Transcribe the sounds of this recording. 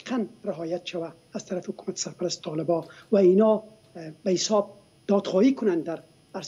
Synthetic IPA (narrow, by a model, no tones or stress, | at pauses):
qʰanɾɪɦɔjat̪ʃawaːz̥t̪ʰaɾafɪhʊkumat̪e̥saɾpaɾast̪e̥t̪ʰɔlɪbɔwainɔ | bahɪsɔb̚ | d̪̥ɒd̪xɔikʊnand̪aɾ | aɾs